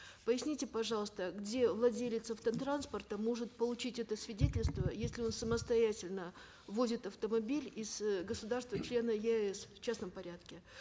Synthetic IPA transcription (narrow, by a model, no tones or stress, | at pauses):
pəjɪsʲnʲitʲɪpɐʐɑlˠəst̪əɡdʲe̞vlˠɐdʲelʲɪt̪səft̪ət̪ɾanspərt̪əmo̞ʐɨt̪̚pəlˠʊt͡ɕitʲɛt̪əsvʲɪdʲetʲɪlʲst̪vəjesʲlʲɪo̞nsəməst̪ɐjætʲɪlʲnə | vozʲɪt̪ɐft̪əmɐbʲilʲɪzɡəsʊd̪arst̪vət͡ɕlʲe̞nəjeɛsft͡ɕasnəmpɐɾʲat̪kʲɪ